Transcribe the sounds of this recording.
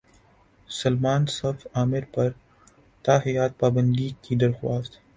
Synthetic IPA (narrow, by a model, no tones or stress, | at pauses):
sɐlmaːnsɐfaːmɪɾpɐɾ | t̪aːɦijaːt̪̚paːbə̃nd̪ikid̪ɐɾxwaːst̪